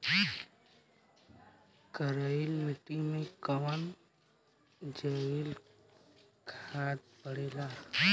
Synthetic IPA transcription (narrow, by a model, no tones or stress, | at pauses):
kəɾəilmiʈimẽkəwən | d͡ʒəil | kʰaːt̪̚bəɽeːla